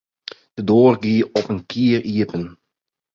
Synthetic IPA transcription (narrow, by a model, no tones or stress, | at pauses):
d̥ədoːrɡiːɔpənkʰiəriəpən